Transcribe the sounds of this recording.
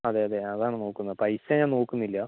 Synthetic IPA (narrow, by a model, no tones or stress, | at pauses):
ɐðeɐðeɐðaːɳɨno̞ːkːunːɐðɨpɐjsɐɲaːno̞ːkːunːilːɐ